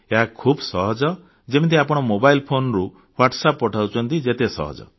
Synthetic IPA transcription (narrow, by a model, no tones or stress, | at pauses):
eɦakʰubsɔɦɔd͡ʒɔ | d͡ʒemit̪̬ʰiapɔɽ̃ɔmobailpʰonɔɾu | waʈsapːɔʈʰawt͡ʃʰɔnt̪id͡ʒet̪esɔ̰ɦɔ̰d͡ʒɔ̰